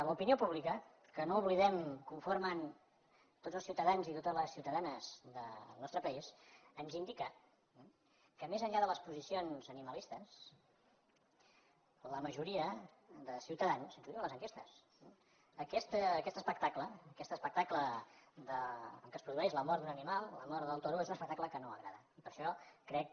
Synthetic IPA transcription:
əmupiniopuβlikə | kənouβliðɛmkuɱfoɾmən | t̪odd͡zəlˠsiwt̪əðanzit̪ot̪əzləsiwt̪əðanəzðəlˠnɔst̪ɾəpəisənzind̪ikə | kəmezəɲʎaðələspuzisionzəniməlist̪əs | ləməʒuɾiə | ðəsiwt̪əðansənzuðiəmləzəŋkest̪əs | əkɛst̪əːkɛst̪əspək̚t̪akləːkɛst̪əspək̚t̪akləd̪əəŋkəspɾuðuɛʃləmɔɾd̪unənimalˠlə̰mɔɾðəlˠt̪oɾuezunəspək̚t̪akləkənoəɣɾa̰ðəipəɾʃɔkːɾɛk̚

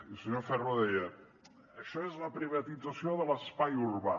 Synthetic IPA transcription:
ilsəɲofɛroðɛjə | əʃɔezləpɾiβɐt̪idd͡zasioðələspajuɾβa

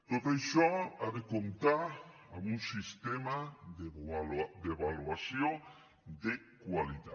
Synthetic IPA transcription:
t̪otejʃɔaðekont̪aɾ | amũŋsist̪emaðed̪eβaluasjoŋ | d̪e | kwalit̪a

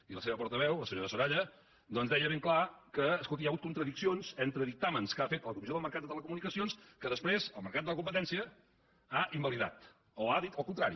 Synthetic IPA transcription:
iləseβəpɔɾt̪əβɛwləsəɲoɾəsuɾaʎə | d̪ɔnzd̪ɛjəβeŋklakəːskolˠt̪ijaɣut̪̚kunt̪ɾəðiksionzɛnt̪ɾəðik̚t̪amənskafet̪ələkumizjoəməɾkat̪d̪ət̪ələkumunikəsionskəðəspɾezəlˠməɾkat̪d̪ələkumpət̪ɛnsiə | aʔimbəliða̰t̪ | oaðit̪əlˠkunt̪ɾaɾḭ

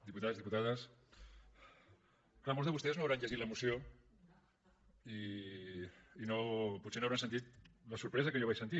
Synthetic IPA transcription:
d̪iput̪aðzðiput̪aðas | klamolzðeust̪eznoaβɾanʎaɣit̪laemusjo | i | nopusenoaβɾansent̪̬it̪lasuɾpɾes̬akejoβajsent̪i

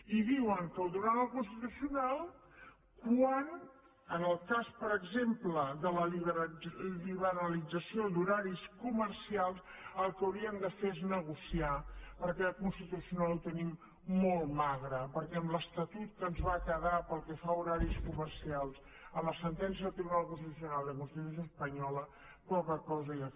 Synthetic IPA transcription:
iðiwəŋkəlˠd̪uɾanəlˠkunst̪it̪usiunalˠ | kwan | ənəlˠkaspəɾəɡzempləðələliβəɾliβəɾəlid͡zəsiod̪uɾaɾiskumərsialˠs | əlˠkəwɾiənd̪əfeeznəɣusiapəɾkɛkunst̪it̪usiunaluwt̪ənimː | ɔlˠmaɣɾəpəɾkɛəmləst̪ət̪ut̪̚kənzβakəðapəlˠkɛfauɾaɾiskumərsialˠs | əmləsənt̪ɛns̬iət̪iβɾaləkunst̪it̪usiunalˠd̪əkunst̪it̪us̬joəspəɲɔlə | pɔkəkɔzəja

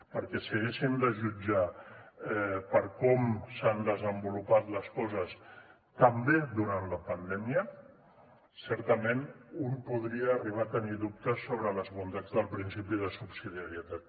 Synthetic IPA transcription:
pəɾkɛsəɣeʃind̪əʒud͡ʒa | ɛpəɾkɔmsand̪əzəmbulupat̪ləskɔzəs | t̪əmbeðuɾant̪ləpənd̪ɛmiə | sɛɾt̪əmenunpuð̞ɾiəːriβ̞at̪əniðup̚t̪əsːoβɾələzβunt̪ad͡zðəlˠpɾinsipið̞əsupsiðiaɾiət̪at̪

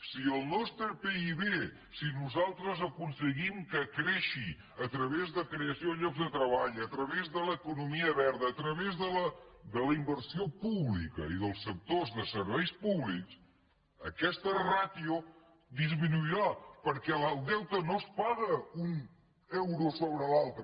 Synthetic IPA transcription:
siəlˠnɔst̪ɾəpeiβe | sinuzalˠt̪ɾəzəkunsəɣimkəkɾeʃi | ət̪ɾəβezðəkɾeəsioðəʎɔɡzðət̪ɾəβaʎət̪ɾəβezðələkunumiəβɛɾðəːt̪ɾəβezðələd̪ələimbəɾsiopuβlikə̰iðəlˠsːək̚t̪ozðəsəɾβɛjspuβliks | əkɛst̪ərat̪io | d̪izminuiɾapəɾkɛləlˠd̪ɛwt̪ənospaɣəun | ɛwɾusoβɾəlalˠt̪ɾə

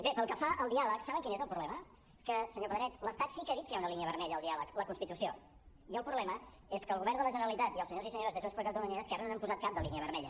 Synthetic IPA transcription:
bepəlˠkəfaʔəlˠd̪ialəksaβəŋkinezəlˠpɾuβlɛmə | kəsəɲopəðɾɛt̪ləst̪at̪sikəaðit̪̚kəjaunəliniəβəɾmɛʎəlˠd̪ialəkləkunst̪it̪usio | iəlˠpɾuβlɛmə | eskəːlɣuβɛrnd̪ələʒənəɾəlit̪at̪iəlˠsəɲozisəɲoɾəzðezesplkad̪ounneaskaɾənonampuzat̪kap̚d̪əliniəβəɾmɛʎə

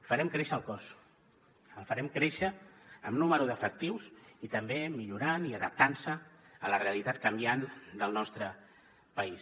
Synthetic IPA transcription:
fəɾɛmkɾeʃəlˠkɔs | əlˠfəɾɛmkɾeʃəːmnuməɾuðəfək̚t̪iwsit̪əmbemiʎuɾaniəðəp̚t̪ansəələreəlit̪at̪̚kəmbiand̪əlˠnɔst̪ɾə | pəis

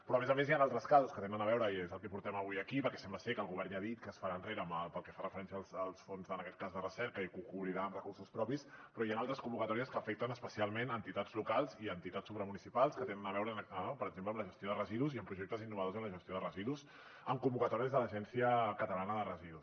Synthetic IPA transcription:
pɾɔəmezəmezjanalˠt̪ɾəskazəskət̪enənəβɛwɾəiezəlˠkɛpuɾt̪ɛməβujəkipəɾkɛsɛmbləsekəlˠɣuβɛrnjaðit̪kəːsfəɾanreɾəːməpəlˠkɛfarəfəɾɛns̬iəlˠsəlˠsfonzənəkɛt̪̚kazðərəsɛɾkəikuŋkuβɾiɾaəmrəkuɾsuspɾɔpispɾɔianalˠt̪ɾəskumbukət̪ɔɾiəskəːfɛk̚t̪ənəspəsialˠmenənt̪it̪ad͡zlukalˠziənt̪it̪asuβɾəmunisipalˠskət̪enənəβɛwɾənəpəɾəɡzempləmləʒəst̪joðərəziðuziəmpɾuʒek̚t̪əzinːuβəðozəmləʒəst̪joðərəziðus | əmkumbukət̪ɔɾiəzðələʒɛnsiəkət̪əlanəðərəziðus

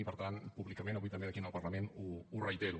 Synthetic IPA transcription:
ipəɾt̪anpuβlikəmẽnəβujt̪əmbeðəkinəlˠpərləmenuurəjt̪eɾu

